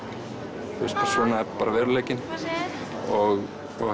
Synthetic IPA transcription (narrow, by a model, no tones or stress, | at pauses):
θṵst̪sɔːnaɛpaːɾavɛːɾʏleːjcɪn | ɔɣ | ɔ